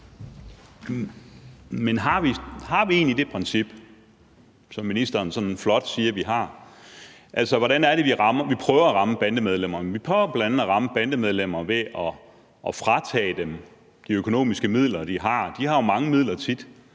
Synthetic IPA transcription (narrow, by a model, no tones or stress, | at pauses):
menɦɑ̈ʋihɑ̈ʋie̝̰ːnid̥e̝pʰʁɛnsib̥ | sɒ̽mːinisd̥ɐnsɒ̽nflɒ̽d̥siːɐʋiɦɑ̈ | ʔælsɐʋɒɾænæɐɾ̥e̝ʋiʁɑ̈mɐʋipʰʁœːʊɐæʁɑ̈məb̥ænd̥əmeð̞ˠlem̰ɐmnʋipʰœʊɐb̥læænæʁɑ̈məb̥ænd̥əmeð̞ˠlem̰ɐʋe̝ʔɒː | fʁɑ̈t͡sʰɛ̰ːd̥em | d̥iøkʰo̝no̝̰ːmisɡ̥əmið̰ˠlɐd̥iɦɑ̈d̥ihɑ̈jo̝mɑ̈ŋəmið̞̰ˠlɐt͡sʰid̥